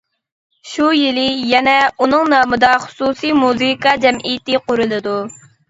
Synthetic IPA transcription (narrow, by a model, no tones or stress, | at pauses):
ʃujilɪjɛnɛunɨŋnɑːmɨd̪ɑχʊ̥susimuzɨkɑd͡ʒɛmʔijɪt̪ɪqʊɾɨlˠɨd̪u